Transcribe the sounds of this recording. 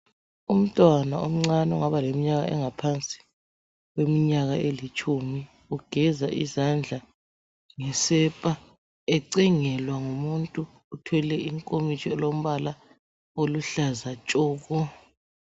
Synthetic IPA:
um̩tʼwana̰om̩ŋ͡ǀanɛɔ̰ŋaβalemiɲaɣa̰ɛ̰ŋapʰant͡sʼi̥ | wwemiɲaɣaelit͡ʃʼumi | uɡ̥ʱɛzaʔḭzand͡ɮʱa | ŋɛsɛpʼa | ɛǀɛŋɛlwaŋumuntʼuː | tʰwɛlɛiŋkʼomit͡ʃʰʼɔlom̩βala | oluɬazat͡ʃʼɔːɣɔ

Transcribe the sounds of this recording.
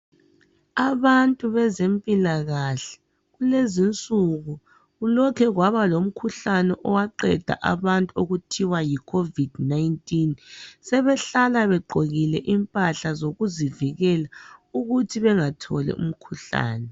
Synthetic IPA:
aβantʼuβɛzempʼilaɣaɬɛ̥ | ɣulezint͡sʼuɣu | ɣulɔkʰɛɣwaβalom̩kʰuɬanɛʔɔwaǃɛd̥ʱa̰ʔa̰βantʼuoɣutʰiwajikʰovid̥najntʼinsɛβɛɬalaβɛǃʱoɣilɛʔimpʼaɬazoɣuziviɣɛlauɣutʰiβɛŋatʰɔlɛ̰ʔṵm̩kʰuɬa̰ːnɛ

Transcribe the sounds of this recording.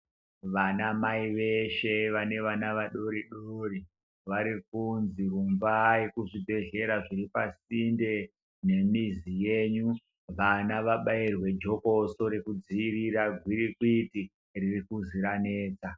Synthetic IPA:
ʋanamaiʋeʃe̞ʋane̞ʋanaʋaɗo̞ɾiɗori | ʋaɾikunzirumvajekuʐibʱe̞ɮe̞ɾaʐiripasinde̞ | ne̞mizijeːɲu | ʋanaʋaɓairwe̞d͡ʒo̞ko̞so̞ɾe̞kud͡ziiriɾaɡʱwiɾikwiti | ririkuziɾane̞ːt͡sa

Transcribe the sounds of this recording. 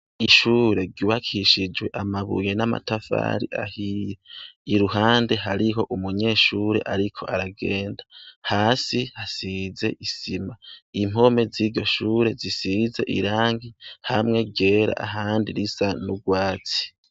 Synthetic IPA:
iʃuːɾe̞ɾɟuːβakʰiʃid͡ʒwe̞ʔamaβṵjenama̰tafa̰ːɾḭʔa̰hijeiɾuɦaːnde̞ɦaɾiɦo̞ʔumuɲe̞ːʃuːɾeʔaɾikʰo̞aɾaɡeːndahaːsihasize̞̰ʔisimaim̥o̞me̞ziːɾɟo̞ʃuːɾe̞zisize̞̰ʔḭɾaːŋɡihamŋe̞ɟe̞ːɾa̰ʔa̰ɦaːndiɾisanuɡwaːt͡si̥

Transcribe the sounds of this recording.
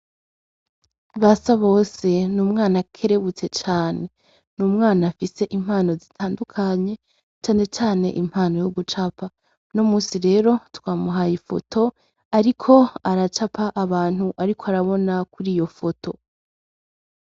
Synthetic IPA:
βasaβo̞ːse̞nuːmŋaːnakʰe̞ɾe̞βut͡se̞t͡ʃaːne̞ | nuːmŋaːnafise̞ʔimhaːno̞zitʰaːndukʰaɲe̞ | t͡ʃaːne̞t͡ʃaːne̞̰ʔim̥haːno̞joɡut͡ʃapa | nomuːsiɾe̞ːɾo̞twaːmuɦajifo̞̰tʰo̞ | aɾikʰo̞aɾat͡ʃapʰaʔːβaːn̥huʔaɾikʰoaɾaβo̞nakuɾiːjo̞fo̞tʰo̞

